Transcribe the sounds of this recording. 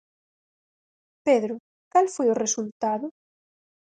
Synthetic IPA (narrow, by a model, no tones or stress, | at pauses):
peðɾʊ | kalfojoresult̪aðʊ